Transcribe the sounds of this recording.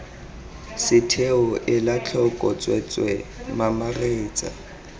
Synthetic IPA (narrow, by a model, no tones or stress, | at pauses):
sɪtʰeʊʔɪlat͡ɬʰɔkʼɔt͡sʼwɛt͡sʼwɛmamareːt͡sʼa̰